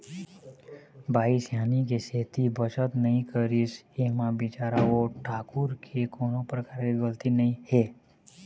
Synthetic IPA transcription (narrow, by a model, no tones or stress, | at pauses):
bʱaːisjaːnik̬eseːt̪ibət͡ʃət̪nəɦĩkəɾisemãbɪt͡ʃaːɾaoʈʰaːkʊɾkʰekoːnõpɾəkaːɾkeɡəlt̪inəĩhe